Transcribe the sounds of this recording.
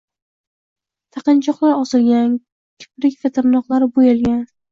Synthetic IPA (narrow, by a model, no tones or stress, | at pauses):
t̪ʰaqɨnt͡ʃʰɒqlˠaɾɒsɪlɡʲan | kʲʰɪ̥pɾɪkʲfet̪ʰɪɾnɒqlˠaɾɪbojɪlˠɡʲan